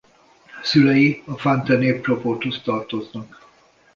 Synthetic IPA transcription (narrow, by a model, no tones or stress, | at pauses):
sylɛjiɒfant̪ɛneːproport̪host̪ɒrt̪o̞znɒk